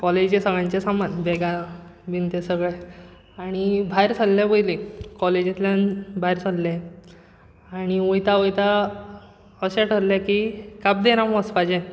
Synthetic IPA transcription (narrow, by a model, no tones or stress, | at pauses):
kɔled͡ʑesəɡɭãɲt͡ɕesamanbɛɡabint̪esəɡɭe | aɽ̃ibʱajɾsʰəlːẽbojlĩkɔled͡ʑit̪ljãnbʱajɾsəllẽ | aɽ̃iojt̪aojt̪a | əɕɛʈʰəɾlekikap̚d̪eɾaməspad͡ʑẽ